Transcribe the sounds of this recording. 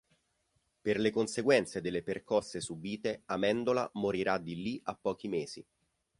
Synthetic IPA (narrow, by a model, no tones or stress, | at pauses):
perlekonseɡwɛnt̪sed̪elːeperkɔsːesubiːt̪eamɛnd̪ola̰moɾiɾad̪ilːiʔapːɔːk̟imeːz̥i